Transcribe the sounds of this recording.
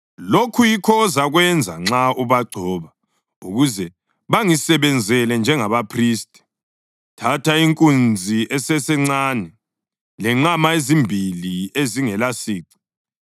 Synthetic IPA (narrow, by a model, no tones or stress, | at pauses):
lokʰujikʰɔːzaɣwɛnd͡zʱa̰ŋ͡ǁauβaɡ͡ǀʱɔːβa | ṵɣuzɛ | βaŋisɛβɛnd͡zʱɛlɛnd͡ʒʱɛŋaβapʰriːstʼɛ̥ | tʰatʰaiŋkʼund͡zʱiʔɛsɛsɛŋ͡ǀanɛ | lɛŋ͡ǁamaezimbʱilieziŋɛlasiːǀi̥